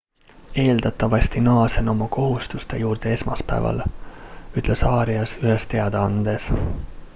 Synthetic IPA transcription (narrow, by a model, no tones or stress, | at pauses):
e̞ːld̪ɑt̪ːˑɑvɑst̪inɑːseno̞mɑko̞ɦust̪ust̪e̞juːrd̪̥e̞e̞smɑ̰spæ̰vɑ̰l | yt̪ːˑle̞sɑːɾiɑsyɦest̪e̞ɑd̪eɑnd̪̥e̞s